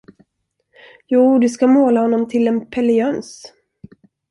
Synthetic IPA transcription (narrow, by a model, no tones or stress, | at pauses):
juːd̪ɵskamoːlahɔnːɔmt̪ʰɪlɛnpʰɛlɛœns